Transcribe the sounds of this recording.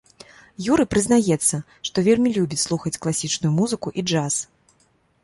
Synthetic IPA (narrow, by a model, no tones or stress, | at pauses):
juɾɨpɾɨzn̪ajɛt̪sːɐ | ʂt̪ɔvʲelʲmʲilʲubʲit͡sʲslˠuxɐt͡sʲklˠasʲit͡ʂnujumuzɨkuʔid͡ʐas